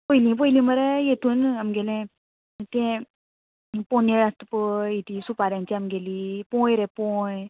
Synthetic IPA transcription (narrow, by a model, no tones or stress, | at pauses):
pəilĩp̬əilĩməɾɛjet̪uːnamɡelɛ̃ | t̪ɛ̃ | poneɾast̪pəit̪ʰisupaɾjãɲt͡ɕiamɡeliːpɔ̃jɾɛ̃põj